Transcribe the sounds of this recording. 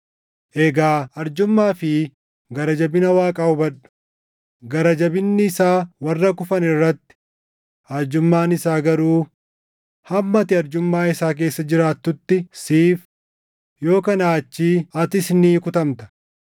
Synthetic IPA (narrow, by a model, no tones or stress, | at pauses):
ʔɛɡaːɐɾd͡ʒʊmːaːfɪ | ɡɐɾɐd͡ʒɐbɪnɐwaːkʼɐʊbɐᶑɐ̥ | ɡɐɾɐd͡ʒɐbɪnːɪːsaːwɐrːɐkʊfɐnɪrːɐt̪ːɪ̥ | ɐɾd͡ʒʊmːaːnɪsaːɡɐɾuː | hɐmːɐt̪ɪɐɾd͡ʒʊmːaːɪsaːk̬e̞ːsːɐd͡ʒɪɾaːt̪ːʊt̪ːɪsiːf | jo̞ːkɐnaːt͡ʃːiːɐt̪ɪsniːkʊt̪ɐmt̪ɐ̥